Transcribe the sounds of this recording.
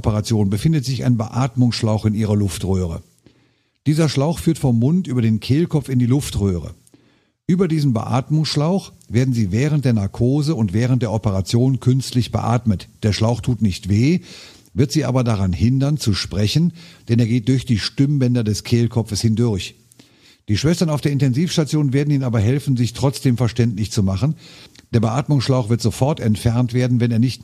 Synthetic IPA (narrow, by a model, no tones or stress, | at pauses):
pəʁat͡sjoːnbəfɪndətz̥ɪça̰ɪnbəʔaːtmʊŋsʃlaʊxɪnʔiːʁɐlʊftʁøːʁ̞ə̰ | d̥iːzɐʃlaʊxfyːɐtfɔmːʊntʔyːbɐdeːnkʰeːlkʰɔpp͡fɪndiːlʊftʁøːʁə̰ | ʔyːbɐdiːzn̩bə̰ʔa̰ːtmʊŋsʃlaʊx | v̥eːɐdn̩ziːvɛːʁ̞ənt̚d̥eːɐnaɐkʰoːzəʊntv̥ɛːʁ̞ən̩td̥eːɐɔpəʁat͡sjoːnnkʰʏnstlɪçb̥ə̰ʔa̰ːtmətd̥eːɐʃlaʊxtʰuːtnɪçtv̥eː | vɪɐtz̥iːʔa̰ːbɐdaʁanhɪndɐnt͡suʃpʁ̥ɛçən̩d̥ɛneːɐɡeːt̚d̥ʊɐçd̥iːʃtʏmbɛndɐdɛskʰeːlkʰɔfəshɪndʊɐç | d̥iːʃv̥ɛstɐnaʊfd̥eːɐɪntɛnziːfʃtat͡sjoːnnveːɐdn̩iːnaːbɐɦɛlfn̩zɪçtʁ̥ɔt͡sd̥eːmfɛɐʃtɛntlɪçt͡sumaχn̩d̥eːɐbəʔaːtmʊŋsʃlaʊxv̥ɪɐtz̥ofɔɐtɛntfɛɐntv̥eːɐdn̩vɛneːɐnɪçt